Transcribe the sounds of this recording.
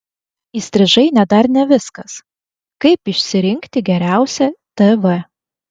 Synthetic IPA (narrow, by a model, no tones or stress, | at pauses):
iːsʲt̪ʲɾʲɪʒɐɪnʲɛd̪ɐɾnʲɛʋʲɪskɐs | kɐɪpɪʃʲsʲɪɾʲɪŋʲkt̪ʲɪɡʲɛɾʲæˑʊsʲɛt̪ɛʋɛ